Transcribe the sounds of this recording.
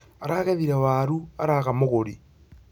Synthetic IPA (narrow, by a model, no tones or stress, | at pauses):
aɾaːɣeðiɾɛwaɾuaɾaɣamoɣoɾi